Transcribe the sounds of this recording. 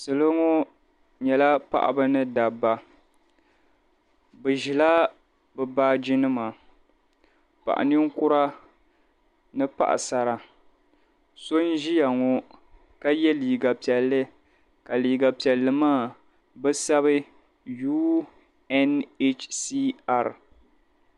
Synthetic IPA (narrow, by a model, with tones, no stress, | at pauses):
sɨ˨lɨ˦ŋɔ˦ | ɲɛ˨la˦pa̰˦˨ʔa̰˨bɨ˦nɨ˦da˨bːa˨ | bɨ˨ʒi˨la˦ | bɨ˨baː˦d͡ʒɪ˦nɨ˦ma˨ | pa̰˨ʔa̰˨nɨ˦ŋ˦kʊ˦ɾa˦ | nɨ˦pa̰˦ʔa̰˨sa˨ɾa˨ | so˦n˦ʒi˦ja˨ŋɔ˨ | ka˦jɛ˦liː˨ɡa˨pi˨ɛ˨lːɨ˦ | ka˨liː˨ɡa˨pi˨ɛ˨lːɨ˨maː˦˨ | bɨ˦sa˦βɨ˦ | juː˦ | ɛ˦ne˦t͡ʃsi˦a˨ɾ